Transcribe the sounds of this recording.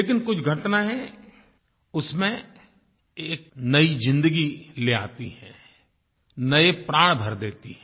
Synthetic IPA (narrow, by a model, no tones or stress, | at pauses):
leːkɪnkʊt͡ʃʰɡʱɐʈnaɦɛ | ʊsmẽ | eːk̚nɐizɪ̃nd̪əɡilea̰ːt̪iɦɛ̃ː | nɐepɾaːɽ̃bʱɐɾd̪eːt̪iɦɛ̃